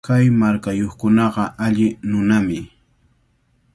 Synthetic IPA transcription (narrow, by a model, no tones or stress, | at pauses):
kajmaɾkajoχkʊnɑɢɑʔaʎɪnʊnamɪ